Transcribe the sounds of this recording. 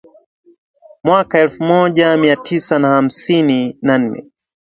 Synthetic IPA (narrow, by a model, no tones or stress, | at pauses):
mwakaɛlfumɔʄamiatʰisanaham̩sininan̩nɛ̰